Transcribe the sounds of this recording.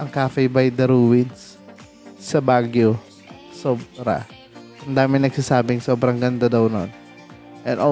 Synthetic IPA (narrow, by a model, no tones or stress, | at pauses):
ʔɐŋkaːfɛbɐjd̪ɐɾuwɪns | sɐbaːɡjo | soːbɾa̰ | kɐnd̪aːmɪnɐɡ̥̚sasaːbɪŋso̞ːbɾɐŋɡɐnd̪ad̪ɐwno̰n | ʔɛnʔo